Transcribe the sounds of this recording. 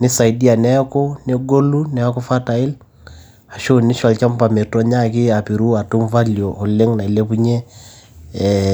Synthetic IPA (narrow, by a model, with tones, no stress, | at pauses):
ni˦sa˨i˨di˦a˨nɛ˦kɔ˦nɛ˦ɡo˦lu˦nɛ˨˦kɔ˦fa˦ta˨i˦l | a˨ʃo˦ni˦ʃa˨lt͡ʃa˦m˦pa˨me˨tɔ˦ɲa˦˨ki˦a˨pi˨ɾu˦a˨tu˦mva˦li˨ɔ˨hɔ˨lɛ˦ŋna˨i˨le˦pu˦ɲɛ˦